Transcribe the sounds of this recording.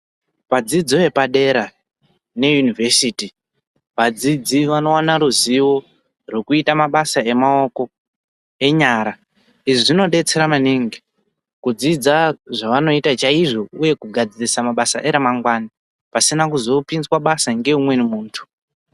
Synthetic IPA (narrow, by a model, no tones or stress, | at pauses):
pad͡zid͡zoe̞paɗe̞ɾa | ne̞junivesiti | ʋad͡zid͡ziʋano̞wanaɾuziwo̞ | rokuitamaɓasae̞mao̞ko̞ | e̞ɲaːɾa | iʐiʐino̞ɗe̞t͡se̞ɾamaniŋɡi | kud͡zid͡zaʐaʋano̞itat͡ʃaiʐo̞uje̞kuɡʱad͡zirisamaɓasa̰ʔe̞ɾemaŋɡwani | pasinakuzo̞pinzwaɓasaŋɡe̞umwe̞nimuːntʰu̥